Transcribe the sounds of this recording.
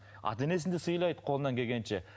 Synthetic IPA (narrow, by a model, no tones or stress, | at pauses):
ɑ̰t̪ene̞s̬ɪnd̪ɪsəjlˠɑjd̪ə̥qʰo̞lˠənɑŋkʲʰeɡʲe̞nʃe